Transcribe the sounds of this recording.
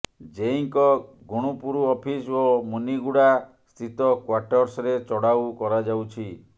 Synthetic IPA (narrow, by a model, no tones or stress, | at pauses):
d͡ʒeiŋkɔ | ɡuɽ̃upuɾuɔpʰisomuniɡuɽa | st̪ʰit̪ɔkwaʈɔɾsɾet͡ʃɔɽawkɔɾad͡ʒawt͡ʃʰi